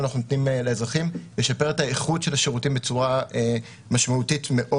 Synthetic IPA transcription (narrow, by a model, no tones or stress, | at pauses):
naχnunot̪nimeleːzʁaχimleʃapeʁetaeχudʃe̞laʃeʁutimbet͡suʁae | maʃmautitme̞ʔo